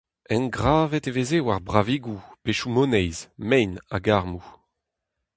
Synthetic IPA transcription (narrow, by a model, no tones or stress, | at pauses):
ɛnɡʁaːvɛt̪evezewaʁbʁaviɡupeʃumonɛjzmɛjna̰ɡaʁmu